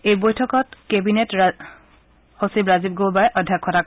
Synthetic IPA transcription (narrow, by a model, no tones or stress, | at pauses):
ejbojtʰɔkɔtkebinet | hosibɹazib̚ɡolbajʔɔdʱakʰːɔtak